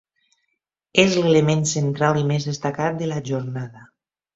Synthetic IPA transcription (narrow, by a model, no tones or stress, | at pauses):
ezlelemensent̪ɾalimezðest̪akat̪̚d̪elaʒoɾnaða